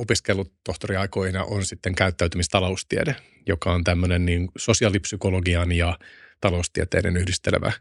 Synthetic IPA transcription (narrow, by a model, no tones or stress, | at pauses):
opiskelːut̪oht̪oriɑikoihinɑ̰ʔonsit̪ːeŋkæyt̪ːæyt̪ymist̪ɑloust̪iḛde | jokɑont̪æmːønenniːnsosiɑlipsykoloɡiɑnjɑt̪ɑloust̪iet̪ḛːnenyhdist̪ḛlʋæ̰